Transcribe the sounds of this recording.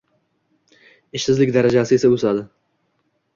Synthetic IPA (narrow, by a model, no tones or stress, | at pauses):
ɪʃsɪzlɪkʲd̪aɾad͡ʒasɪesaɵsad̪ɪ